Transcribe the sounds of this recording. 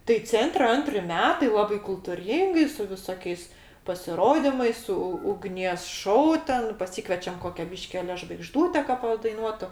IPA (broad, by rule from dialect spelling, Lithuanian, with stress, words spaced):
tɐɪ ˈt͡sʲɛnʲtʲrʲɛ ˈɐnʲtʲrʲɪ ˈmʲæːtɐɪ ˈlˠɑːbɐɪ kʊlˠtʊˈrʲiːŋɡɐɪ sʊ ʋʲɪˈsoːkʲɛɪs pɐsʲɪˈroːdʲɪmɐɪs sʊ ʊɡˈnʲiɛs ˈʃoːʊ ˈtʲɛn pɐˈsʲiːkʋʲɛt͡ʃʲɛm ˈkoːkʲɛ ˈbʲiːʃʲkʲɪ ˈɑːlʲɛ ʒʋɐɪɡˈʒduːtʲɛ kɐ pɐdɐɪˈnuɔtʊ